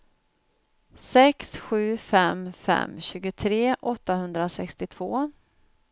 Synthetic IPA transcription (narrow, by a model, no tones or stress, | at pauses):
sɛksɧʉ̟ːfɛmfɛ̰mːɕʉ̟ːɡʊt̪ʰɾeːʔɔt̪ːahɵnd̪ɾasɛkst̪ɪt̪ʰv̥oː